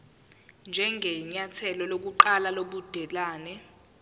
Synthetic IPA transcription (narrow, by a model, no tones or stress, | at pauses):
nd͡ʒʱɛŋʱɛɲatʰɛlɔlok̬uǃalaloɓud̥ʱɛlaːnɛ